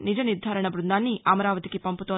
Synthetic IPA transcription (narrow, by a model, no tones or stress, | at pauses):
nid͡ʒɐniɾd̪ʱaːɾɐɳɐbɾund̪aːnːiʔɐmɐɾaːʋɐt̪ikipɐmput̪oː